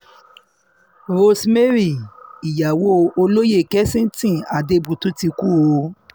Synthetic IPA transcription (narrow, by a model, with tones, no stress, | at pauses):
ɾo˧sme˦ɾi˦˨i˨ja˨wo˦˧o˧lo˦je˦˨kɛ˦sĩ˦tĩ˦˨a˨de˧bu˨tu˦ti˧ku˦o˧˦